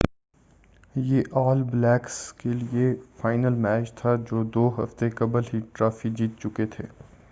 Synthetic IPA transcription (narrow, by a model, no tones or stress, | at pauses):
jeːʔɔːlblɛːkskeliefaːɪnəlmɛːt͡ʃt̪ʰad͡ʒoːd̪oːɦɐ̰ft̪ekɐbəlɦiʈɾaːfid͡ʒiːt̪̚t͡ʃʊket̪ʰḛː